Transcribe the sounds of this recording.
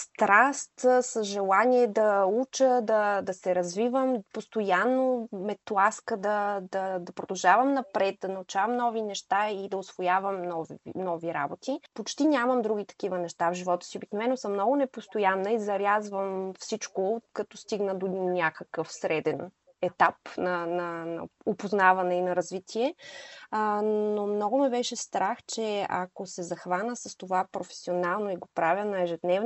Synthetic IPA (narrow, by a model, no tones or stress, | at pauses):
st̪ɾast̪səzʒɛlˠaniɛd̪ɐut͡ʃəd̪ɐd̪ɐsɛɾɐzvivəmpost̪ojanːomɛt̪lˠaskəd̪ɐd̪ɐd̪ɐpɾod̪ɐlˠʒavəmnɐpɾɛt̪̚d̪ɐnɐut͡ʃavəmnɔvinɛʃt̪aid̪ɐosv̥ojavəmnɔvnɔviɾa̰bot̪ipot͡ʃt̪inʲaməmd̪ɾuɡ̟it̪ɐ̥k̟ivənɛʃt̪avʒivɔt̪ə̥siobiknovɛnːosəmnɔɡʊnɛpost̪ojanːəizɐɾʲjazvəmfsit͡ʃkokɐt̪ɔst̪iɡnəd̪onʲakəkəfsɾɛd̪ɛn | ɛt̪apnɐnɐnɐ̰opoznavɐnɛinɐɾɐzvit̪ʰiɛ | nomnɔɡʊmɛbɛʃɛst̪ɾaxt͡ʃɛɐ̰kosɛzɐxvanəsɐst̪ovapɾofɛ̥sionalˠnoiɡopɾavʲənɐɛʒɛd̪nɛv